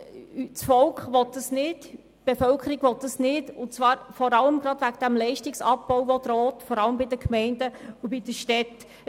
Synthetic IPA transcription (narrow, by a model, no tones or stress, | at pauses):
t͡sfɔlkχʋɔt̚dəsnɪd̥ | b̥efœlkʰəɾiɡʋɔtːəsnɪdʊt͡svɑːɾfɔɾɑləmɡɾɑdʋæɡd̥æmlɛɪʃtɪksɑp̚bɔwʋɔd̪ɾɔːtfɔɾɑləmbidəkmɛɪndəubid̥əʃtɛt